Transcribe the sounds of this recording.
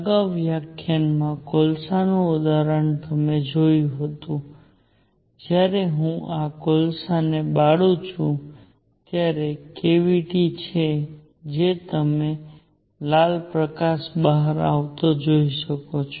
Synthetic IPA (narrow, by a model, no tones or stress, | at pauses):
əɡaʋjakʰːjanmãkolsanũʊd̪aɾəɳt̪əmed͡ʒojũɦət̪ũ | d͡ʒjaɾeɦũʔakolsanebaɽũt͡ʃʰũ | t̪jaɾekeʋiʈit͡ʃʰe | d͡ʒet̪əme | lalpɾəkaʃbəɦəɾa̰ʋt̪od͡ʒoiʃəkot͡ʃʰo